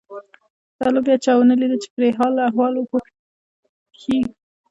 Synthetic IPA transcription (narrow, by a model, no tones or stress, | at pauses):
t̪alobjɑt͡ʃɑwnəlid̪ət͡ʃe̥pɾeɦɑlːaaɦwɑloxo | xi